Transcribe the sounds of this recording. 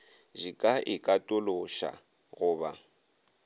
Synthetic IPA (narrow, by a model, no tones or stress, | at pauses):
ʒikʼaʔɪkʼatʼʊloʃa̰ | ɣʊːba